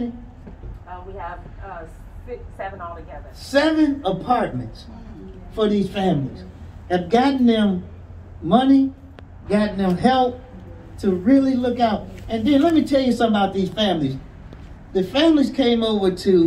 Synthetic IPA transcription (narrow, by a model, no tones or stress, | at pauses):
wiəv̥ʌ | ɪsɛvə̃nɔlˠtʰɨɡɛðə˞sɛvɨ̃nəpʰɑɹt̚mɨ̃nts | fə˞ðiz̥fæ̃mliz̥ɨvɡɑʔn̩ðɨ̃mː | ʌni | ɡɑʔn̩ðɨ̃mɦɛlˠp̚ | tʰɨɹɪlˠilʊkaʊt̚ɨ̃nðɨ̃nlɛt̚mitʰɛlˠjɨsʌ̃məbaʊt̪̚ðiz̥fæ̃mliz | ðɨfæ̃mliz̥kʰẽɪ̃moʊvə˞ɾʰɨ